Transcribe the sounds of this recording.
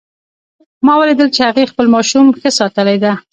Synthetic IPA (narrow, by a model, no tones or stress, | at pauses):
mɑwəled̪əlt͡ʃehaɣexpəlmɑʃumxəsɑt̪əlajd̪a